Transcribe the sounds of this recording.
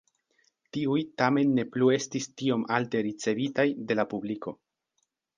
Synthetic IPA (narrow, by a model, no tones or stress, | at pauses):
tiujtame̞nːe̞plue̞stistio̞mʔalte̞ɾit͡se̞vitajde̞lapubliko̞